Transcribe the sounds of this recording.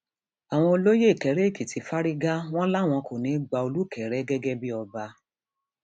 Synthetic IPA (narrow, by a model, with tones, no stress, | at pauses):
a˨w̃ɔ̃˧o˧lo˦je˦i˨kɛ˨˦ɾe˨˦˨ki˨tʰi˨˦fa˦ɾi˦ɡa˦w̃ɔ̃˦la˦˨w̃ɔ̃˧kʰo˨nĩ˨˦ɡ͡ba˧o˧lu˦˨kʰɛ˨ɾɛ˦ɡɛ˦ɡɛ˦bi˦ɔ˧ba˧